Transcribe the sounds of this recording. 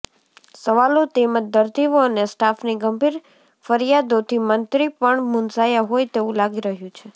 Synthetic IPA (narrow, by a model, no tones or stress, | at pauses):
səʋalot̪eməd̪əɾt̪iʋoənesʈafniɡəmbʱiɾ | fəɾijad̪ot̪ʰimənt̪ɾipəɳmunzajaɦojt̪eʋũlaɡiɾəɦjũt͡ʃʰe